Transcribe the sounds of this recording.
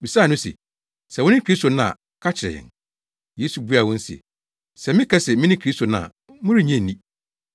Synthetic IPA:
bi˨sa˦˨nʊ̃˦sḛ˨ | sɛ˨wʊ̃˦nɪ̃˦kʰɾi˦sto˨nã˦a̰˨ | kʰa˦t͡ɕʰɪ˨ɾɛ̰˨ɪ̰̃˨n | je˦su˨bu˦a˨wɔ̃˦n̩˦sɛ̰˨ | sɛ˨mɪ̃˦kʰɛ˦sɛ˨mɪ̃˦nɪ̃˦kʰɾi˦sto˨nã˨a˨ | mʊ̃˦ɾɪ˦ɲɛ̃˦˨nĩ˦

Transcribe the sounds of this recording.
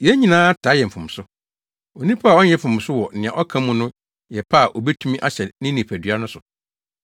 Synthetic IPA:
jɛ˦ɲĩ˨nãː˦tʰa˨˦jɛ˨m̩˨fʊ̃˨m̩˨sʊ˦ | o˨nĩ˦pʰa˦a˨ɔ˦ɲɛ̃˦fʊ̃˨m˨sʊ˦wɔ˨nɪ̃˨ã̰˨ʔɔ˦kʰã˦mũ˨nʊ̃˦ | jɛ˨pʰa˦a˨ʔo˨bɛ˦tʰu˦mĩ˦ʔa˦ɕɛ˨nɪ̃˦nĩ˨pʰæ˨dɥa˦nʊ̃˦sʊ˨

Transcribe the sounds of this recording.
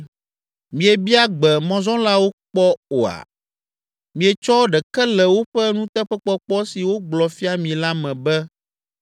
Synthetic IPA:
mĩ˨e˨bi˦a˦ɡ͡bɛ˨mɔ̃˨zɔ̃˦la˦wo˦k͡pɔ˦o˨a̰˨ | mĩ˨ɛ˨t͡ʃɔ˦ɖɛ˨kɛ˦lɛ˨wo˦ɸɛ˦nũ˦t̪ɛ˦ɸɛ˦k͡pɔ˦k͡pɔ˦si˨wo˦ɡ͡blɔ˨fi˦a˦mĩ˨la˦mɛ̃˨bɛ˦

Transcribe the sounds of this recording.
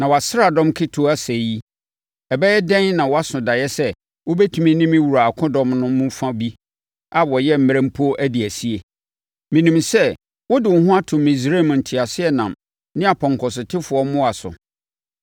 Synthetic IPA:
nã˨wa˨sɾa˨dɔ̃˦mkʰɪ˦tʰʊ˨˦æ˦sæ˨ji˦ | ɛ˨bɛ˦ɛ˦dɛ̃˦n˦nã˨wɔ˦a˦sʊ̃˨da˨jɛ˦sɛ˦ | wo˦bɛ˦tʰũ˨mĩ˦nĩ˦mĩ˦wu˨ɾa˨a˨kʰʊ̃˦dɔ̃˦mnʊ̃˦mʊ̃˦fã˦bi˦ | a˦wɔ˨jɛ˦m̩˦m˦ɾɛ̃˦m˦pʰu˦o˦ʔæ˦di˨æ˨si˦e˨ | mĩ˨nĩ˨msɛ˦ | wʊ˦dɪ˨wʊ˨ɦʊ̃˦a˦tʰʊ̃˨mːĩ˨s̬ɾe˦˨m˨n̩˨tʰɪ˨a˨sɪ˦ɛ˦nã˨m | nɪ̃˦a˨pʰɔ̃˨ŋkʰɔ˨s̬ɪ˨tʰɪ˦fʊ˨ɔ˦mʊ̃˦a˨sʊ̰˨

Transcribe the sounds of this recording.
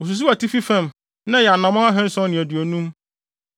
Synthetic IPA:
o˨s̬u˨s̬u˦a˨tʰi˦fi˦fɛ̃˦˨m | nã˦jɛ˨a˨nã˨mɔ̃˦a˦ɦɛ̃˦n̩˦sɔ̃˦nɪ̃˨æ˨dɥæ˨nũ˦m

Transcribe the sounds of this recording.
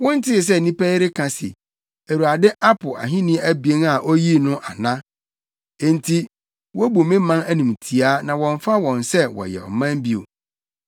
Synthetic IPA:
wɔ̃˦n̩˦tʰɪ˦˨s̬ɛ˦˨nĩ˦pɛ˦ɾɪ˦kʰã˨sɪ̰˨ | æ˨ɾu˨a˨dɪ˦ʔa˦pʰʊ˨a̰˨ɦɪ̃˦nɪ̃˦æ˦bi˨e˦ŋa˨ʔo˦ji˦nʊ̃˦ʔa˨nã˦ | e˨n˨tʰi˦ | wɔ˦bu˨mɪ̃˦mã˦næ˦nĩ˨m˨tʰi˨a˦nã˨wɔ̃˨ɱ˦fa˦wɔ̃˨nsɛ˦wɔ̰˨jɛ̰˨ɔ̰˨mã˦m˦bi˦o̰˨

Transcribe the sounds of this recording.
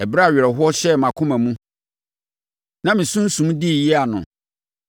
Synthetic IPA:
ɛ˨bɾa˦a˨ɥɾɛ˨ɦʊ˦ɔ˦ɕɛ˦˨mã˨kʰʊ̃˦mã˨mũ˦ | nã˦mĩ˨sũ˦n̩˦sũ˨m˦di˦˨ji˦a˨nʊ̰̃˨

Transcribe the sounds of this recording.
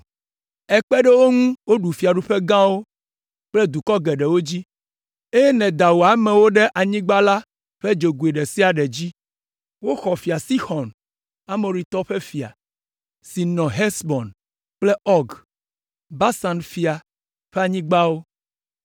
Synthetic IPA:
ɛ˨k͡pɛ˦ɖɛ˦wo˦ŋũ˦wo˦ɖu˨fi˨a˨ɖu˨ɸe˦ɡã˦wo˦ | k͡plɛ˦d̪u˨kɔ˦ɡɛ˨ɖɛ˨wo˦d͡ʑi˦ | e˦jɛ˦nɛ̃˨d̪a˨wo˨a˨mɛ̃˨wo˦ɖe˦ʔa˨ɲĩ˦ɡ͡ba˦la˦ | ɸe˦d͡ʒo˨ɡu˨e˨ɖe˨si˦a˨ɖɛ˨d͡ʑi˦ | wo˦xɔ˨fi˨a˨si˦xɔ˨n | a˦me˨ɾi˨t̪ɔ˦ɸe˦fi˨a̰˨ | si˨nɔ̃˨ɦɛ˦sbɔ˨n | k͡plɛ˦ɔ˦ɡ | ba˦sã˨nfi˨a˨ | ɸɛ˦a˨ɲĩ˦ɡ͡ba˦wo˦

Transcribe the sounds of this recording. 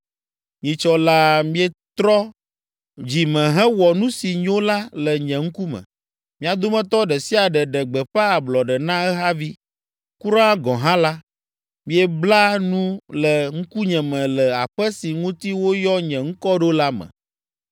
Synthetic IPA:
ɲĩ˨t͡ʃɔ˦la˦mĩ˦ɛ˦t̪ɾɔ˦ | d͡ʑi˨mɛ̃˨ɦɛ̃˦wɔ˨nũ˦si˨ɲõ˦la˦lə˨ɲɛ̃˨ŋ̩˦ku˦mɛ̰̃˨ | mĩ˦a˨d̪o˦mɛ̃˦t̪ɔ˦ɖɛ˨si˦a˨ɖɛ˨ɖɛ˨ɡ͡bɛ˨ɸɛ˦a˨blɔ˨ɖɛ˨nã˦ɛ˦ɦa˦vi˦ | ku˦ɾã˦a˦ɡɔ̃˨ɦã˦la˦ | mĩ˦ɛ˦bla˦nũ˦lə˨ŋ̩˦ku˦ɲɛ̃˨mɛ̃˨lɛ˨a˨ɸɛ˦si˨ŋũ˦t̪i˦wo˦jɔ˦ɲɛ̃˨ŋ̩˦kɔ˦ɖo˦la˦mɛ̰̃˨

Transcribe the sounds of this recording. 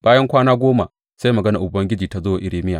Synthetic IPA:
b̥aː˦jɐ˦ŋkʷaː˦naː˦ɡʷoː˦ma̰˨ | sa˦jmɐ˨ɡɐ˦na˨ʔʊ˨bɐ˦ŋɡʲɪ˦d͡ʒiː˨ta˨zoː˦wa˨ʔɪ˦ɽeː˨mɪ˦ja̰ː˨

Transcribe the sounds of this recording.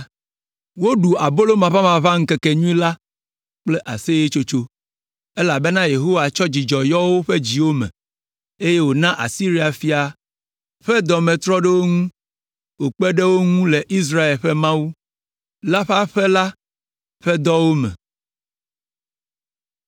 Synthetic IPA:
wo˦ɖu˨a˨bo˦lo˦mã˨βa˦mã˨βa˦ŋ̩˦kɛ˨ke˨ɲũ˦ĩ˦la˦ | k͡plɛ˦ʔa̰˨se˦je˦t͡ʃo˦t͡ʃo˦ | e˦la˨be˦nã˦je˨ɦo˦wa˨t͡ʃɔ˦d͡ʑi˨d͡ʒɔ˨jɔ˦wo˦ɸe˦d͡ʑi˨wo˦mɛ̰̃˨ | e˦je˦wo˨nã˦ʔa̰˨si˦ɾi˦a˨fi˦a˨ | ɸɛ˦d̪ɔ˨mɛ̃˨t̪ɾɔ˦ɖe˦wo˦ŋũ˦ | wo˨k͡pɛ˦ɖe˦wo˦ŋũ˦le˨ʔi˦s̬ɾa˦e˨lɸɛ˦mã˦wu˦ | la˦ɸa˦ɸɛ˦la˦ | ɸɛ˦d̪ɔ˦wo˦mɛ̰̃˨

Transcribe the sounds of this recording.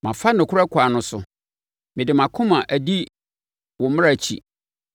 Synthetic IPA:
mã˨fa˦nɪ̃˨kʰʊ˦ɾa˦kʰa˨nʊ̃˦sʊ̰˨ | mɪ̃˨dɪ˨mã˨kʰʊ̃˦mã˨ʔæ˨di˦ | wɔ˨mɪ̃˦a˨t͡ɕʰḭ˨

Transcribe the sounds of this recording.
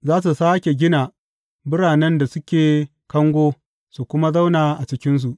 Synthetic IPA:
zaː˦s̬u˨saː˦kʲe˨ɡʲɪ˦na˨ | bɪ˦ɽaː˨nɛ˦nda˨sʊ˦kʲeː˨ | kɐ˦ŋɡʷoː˦ | su˨kʷʊ˦ma˦za˦wnaː˨ʔa˨t͡ʃɪ˦kʲɪ˦ns̬u˨ʔ

